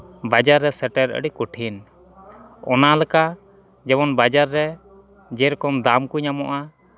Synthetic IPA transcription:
bad͡ʒaɾːɛsɛʈɛɾə̰ɖikuʈʰin | ɔnalɛka | d͡ʒɛbɔnbad͡ʒaɾːɛ | d͡ʒɛɾkɔmd̪amkuɲamɔʔa

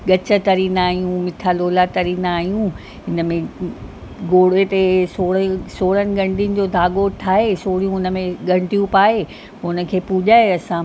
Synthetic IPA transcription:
ɠɐt͡ɕə̆t̪ɐɾiːnaːɦijũmɪʈʰaloːlat̪ɐɾiːnaːɦijũ | ɦɪnə̆mẽ | ɡoːɽet̪esoːɽsoːɽənɪ̆ɡɐ̃ɳʈijənɪ̆d͡ʑoːd̪ʱaːɠoʈʰaːɦesoːɽijũʊnəmẽɡɐ̃ɳʈijũpaːɦe | ʊnə̆kʰeːpuʄaːeɐsã

